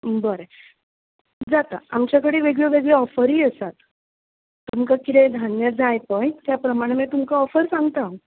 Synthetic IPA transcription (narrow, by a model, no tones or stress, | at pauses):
bəɾe | d͡zat̪a̰amt͡ɕjakəɽeːʋeɡɭeʋeɡɭeɔfəɾiːəsat̪ː | umkakit̪ẽd̪ʱanjəd͡zʱajpəjt̪japɾəmaɽ̃emɛt̪umkaɔfəɾsãŋɡt̪ã